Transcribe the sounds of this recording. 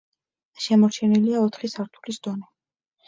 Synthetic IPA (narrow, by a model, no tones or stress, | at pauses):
ʃɛmɔɾt͡ʃʰɛniliaɔt̪ʰχisaɾt̪ʰu̥lisd̪̥ɔnɛ